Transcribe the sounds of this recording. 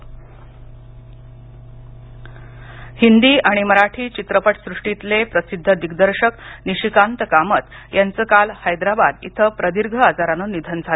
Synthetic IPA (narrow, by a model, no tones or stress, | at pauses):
hind̪iːʔaɽ̃iməɾaʈʰiːt͡ɕit̪ɾəpəʈsɾuʂʈit̪lepɾəsid̪ʱːəd̪iɡd̪əɾɕəkniɕikant̪əkamət̪jant͡səkalhajd̪ɾaba̰d̪ḭt̪ʰəpɾəd̪iɾɡʱəad͡zaɾanonid̪ʱənd͡zʱa